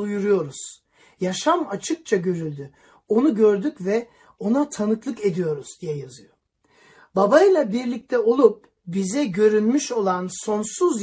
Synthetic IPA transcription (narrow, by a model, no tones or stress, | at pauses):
ujuɾujo̞ɾuz̥ | jaʃamat͡ʃʰɯk̚t͡ʃʰaɟø̞ɾylʲd̪y | o̞nuɟø̞ɾd̪ycvɛ | o̞nat̪ʰanɯklˠɯke̞d̪ijo̞ɾuzd̪ijɛjazɯjo̞ | babajɯlˠabiɾlʲic̚t̪ʰɛo̞lˠup̚ | bizɛɟø̞ɾynmyʃo̞lˠanso̞nsuz